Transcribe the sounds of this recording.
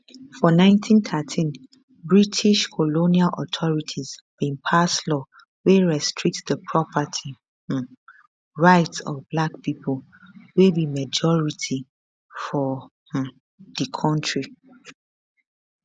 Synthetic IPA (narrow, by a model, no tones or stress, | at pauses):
fɔnãɪ̃ntʰĩnθʰatʰĩn | bɹitʰiʃkʰɔlonialʔɔ̰tʰɔɹitʰizb̥ĩnpʰaslɔ | weɹɛstʰɹik̚tðəpʰɹɔpʰətʰi | ɹaɪtsɔ̰vblak̚pipʰɔl | webimad͡ʒɔɹitʰi | fɔ | h̩ | ðəkʰɔ̃ntɹi